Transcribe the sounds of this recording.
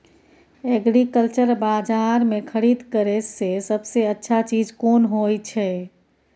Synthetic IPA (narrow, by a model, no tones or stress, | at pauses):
eɡɾikəlt͡ʃəɾbad͡ʒaɾmekʰəɾid̪kəɾesesəbseətːʃʰat͡ʃid͡ʒkonɦojt͡ʃʰɛ